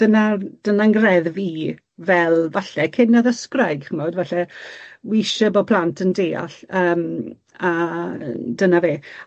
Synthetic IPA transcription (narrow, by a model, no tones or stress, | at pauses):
d̥ənad̥ənaŋɡrɛðviː | vɛlˠvaɬɛkʰɪnːaðəskrajɡ̥χəmɔdvaɬɛwiʃəbɔpʰl̥ˠantʰəndeːa̰ɬəːm | a | dənaveː